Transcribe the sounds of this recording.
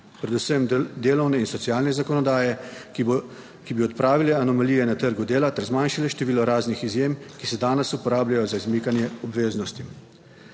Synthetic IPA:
pɾɛd̪usəmd̪eːlɔwnɛinsɔt̪sijaːlnɛzakɔnɔd̪aːjɛ | kibiɔt̪pɾaːʋilɛanɔmaliːjɛnat̪əɾɡud̪eːlat̪ɛɾzmanʃalɛʃt̪ɛʋiːlɔɾaːznixizjemkisɛd̪aːnɛsupɔɾaːblʲjajɔzaizmiːkanjɛɔbʋeːznɔst̪i

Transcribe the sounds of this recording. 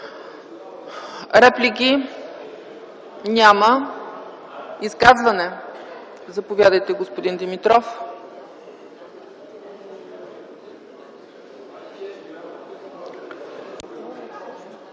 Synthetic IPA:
ɾɛplʲik̬ʲi | nʲamə | iskazvɐnɛ | zɐpovʲjad̪əjt̪ɛɡospod̪ind̪imit̪ɾɔf

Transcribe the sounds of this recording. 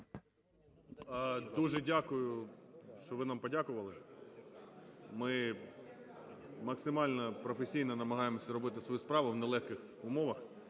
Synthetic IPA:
d̪uʒɛdʲakʊjʊʃt͡ʃɔʋɪnampɔdʲakʊʋɐlˠɪ | mɪ | mɐksɪmɑlʲnɔpɾɔfesʲijnɔnɐmɐɦɑjemɔsʲɐɾɔbɪt̪ɪsʋɔjuspɾɑʋʊʋnɛlˠɛxkɪx | ʊmɔʋɐx

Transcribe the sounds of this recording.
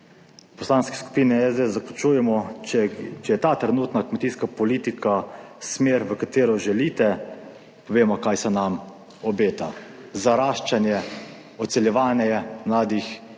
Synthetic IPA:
pɔslaːnskɛ̥sku̥piːnɛɛzd̪ezaklut͡ʃuːjɛmɔɛt͡ʃɛjɛt̪aːt̪ɾɛnuːt̪nakmɛt̪iːskapɔliːt̪ikʰasmeːɾʋəkat̪eːɾɔʒɛlit̪ɛ | pɔʋeːmɔkaːjsɛnam | ɔbeːt̪azaɾaːʃt͡ʃanjɛ | ɔt̪sɛljɛʋaːnɛɛmlaːd̪ix

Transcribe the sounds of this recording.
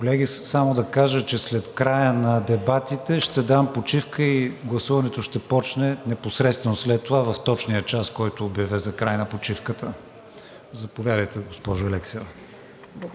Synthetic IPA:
kolɛɡisamod̪ɐkaʒət͡ʃɛslɛt̪kɾajənɐd̪ɛbat̪it̪ɛʃt̪ɛd̪ampot͡ʃifkəiɡlˠɐsuvɐnɛt̪oʃt̪ɛpɔt͡ʃnɛnɛposɾɛt̪st̪vɛnoslɛt̪ːovavɐft̪ɔt͡ʃnijət͡ʃaskɔjt̪oːbjɐvɛzɐkɾajnɐpot͡ʃifkət̪ə | zɐpovʲjad̪əjt̪ɛɡospɔʒʊɛlɛksɛv

